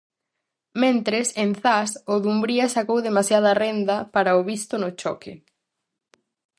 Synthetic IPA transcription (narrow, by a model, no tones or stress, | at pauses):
mẽnt̪ɾɪsenθasʊðumbɾiasakowðemasjað̞ɐrend̪ɐpaɾaoβist̪ʊnʊt͡ʃɔkɪ